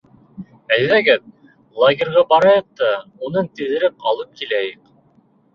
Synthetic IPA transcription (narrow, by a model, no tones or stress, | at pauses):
æjðæɡæt̪̚ | lˠoɡʲerʁɑbɑɾɑjɑq̚t̪ɑunɤɴt̪ɘ̆ðɘ̆ɾɘp̚ɑlˠɤp̚kilæjɘq